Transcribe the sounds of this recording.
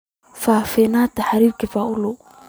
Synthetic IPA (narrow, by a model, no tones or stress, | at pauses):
faːfɛnaːt̪aħɾiːɾkifaʔʊlʊ